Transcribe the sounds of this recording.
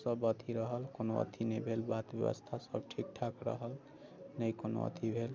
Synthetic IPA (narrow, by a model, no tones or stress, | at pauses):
sʌbʌt̪ʰiɾʌɦəlkonoʌ̰t̪ʰinəjbʱelbat̪bɛ̰bə̰st̪ʰasʌ̰bʈʰik̚ʈʰakɾʌ̰ɦəl | nəjkono̰ʌ̰t̪ʰibʱel